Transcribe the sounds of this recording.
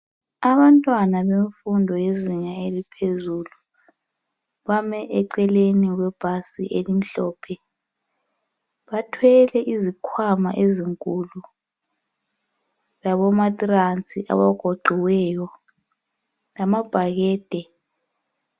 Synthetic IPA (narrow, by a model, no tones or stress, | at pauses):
aβantʼwanaβeɱfundʱɔjeziŋaelipʰezulu | βamɛʔɛǀɛleniɣwɛb̥ʱasiʔelim̩ɬɔːpʰɛ | βatʰwɛlɛʔizikʰwama̰ʔeziŋkʼulu | laβɔmatʼrant͡sʼiʔa̰βaɡ̥ʱoɡ͡ǃʱiwɛjɔ | lamab̥ʱaɣɛːd̥ʱɛ